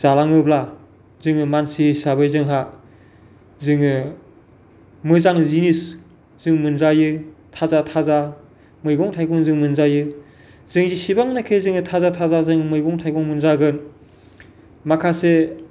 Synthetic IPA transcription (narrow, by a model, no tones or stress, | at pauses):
z̥alaŋɯbla | zɯŋɯmansisabɯjzɯŋɦa | zɯŋɯ | mɯzaŋzinis | z̥ɯŋmɯnzajɯtʰazatʰaza | mɯjɡɔŋtʰajɡɔŋzɯŋmɯnzajɯ | zɯŋzisibaŋnakʰezɯŋɯtʰazatʰazazɯŋmɯjɡɔŋtʰajɡɔŋmɯnzaɡɯn | makʰase